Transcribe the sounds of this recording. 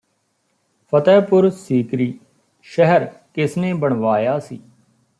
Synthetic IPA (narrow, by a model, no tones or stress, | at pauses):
pʰət̪ɛːpʊɾsiːkɾiː | ʃɛɦəɾkɪsneːbəɳ̃ʋaːjaːsḭː